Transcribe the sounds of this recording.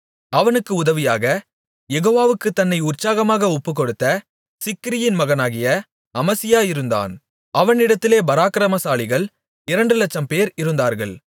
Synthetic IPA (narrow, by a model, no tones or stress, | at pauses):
ɐʋɐnɯkːɯʊðɐʋɪjaːɣɐ | jɛɣoːʋaːʋɯkːɯt̪ːɐnːɐɪʊrt͡ʃaːɣɐmaːɣɐɔpːɯk̬ːɔɽɯt̪ːɐ | sɪkːɪɾɪjɪnmɐɣɐnaːɣɪjɐ | ɐmɐsɪjaːɪɾɯnd̪a̰ːn | ʔɐʋɐnɪɽɐt̪ːɪleːbɐɾaːkɾɐmɐsaːlɪɣɐɭ | ɪɾɐɳɖɯlɐt͡ʃːɐmpeːɾɪɾɯnd̪aːɾɣɐ̰ɭ